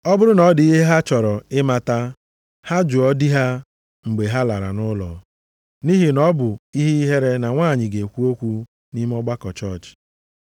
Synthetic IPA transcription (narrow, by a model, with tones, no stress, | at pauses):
ɔ˦bʊ˦ɾʊ˦nɔ˨˦di˦ɦe˦ɦa˦t͡ʃɔ˨ɾɔ˨ɪ˦ma˨ta˦ | ha˦d͡ʒʊ˨ɔ˦di˦ɦa˦ | ŋ͡m̩˨ɡ͡be˨ɦa˦la˨ɾa̰˨nʊ˦lɔ̰˨ | ni˦ɦi˨nɔ˦bʊ˨i˦ɦi˦i˦ɦe˦ɾe˦na˨ŋʷaː˦˨ɲɪ˨ɡe˨kʷu˦o˦kʷu˦ | ni˦me˦ɔ˦ɡ͡ba˦kɔ˨t͡ʃɔ˦˨t͡ʃ